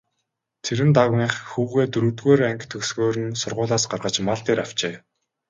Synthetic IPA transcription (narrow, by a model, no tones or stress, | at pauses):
t̪ʰeɾɘ̆nt̪aʁiːχxuːɣeːt̪ɵɾuːt̪ɣeːɾæŋkt̪ʰɵksɣoːɾɘ̆nsʊrʁʊːɮaːsɢarʁə̆t͡ɕmaɮt̪eːɾaw̥t͡ɕeː